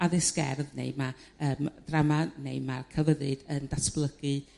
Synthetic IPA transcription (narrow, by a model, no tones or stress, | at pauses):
aðɪsɡ̥ɛ̰rðnḛjmaəːmd̥ramanejmarkʰəvəɾɨdəndasb̥lˠəɡ̥ɨ